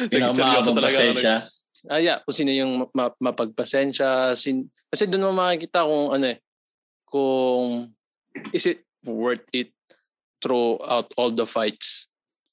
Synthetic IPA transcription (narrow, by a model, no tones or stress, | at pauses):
sɐsɡaot̪ɐlɐɡaɛɐaʔɐjakʊsiːnɐjʊŋmmɐmɐpɐɡ̚pɐsɛnʃɐsin | kɐsɛd̪ʊnmɐmɐːkikiːt̪akʊŋʔɐnoɛ | kʊŋ | ʔɪsɪt̪̚ | wɛɹt̪ɪt̪̚ | tɾua̰wt̪ʔɔld̪ɐfajt̪s